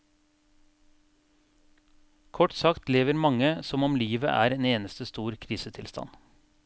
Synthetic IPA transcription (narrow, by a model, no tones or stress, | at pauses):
kʰɔʈsɑkt̪leːʋəɾmɑŋəsɔmɔmliːʋə̰ʔæ̰ːɾeːneːnəst̪əst̪uːɾkʰɾiːsət̪ʰɪlst̪ɑ̰n